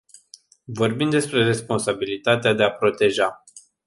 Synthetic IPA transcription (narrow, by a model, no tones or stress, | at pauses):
vo̞rbimd̪e̞spɾe̞re̞spo̞nsabilit̪at̪ead̪e̞apɾo̞t̪e̞ʒa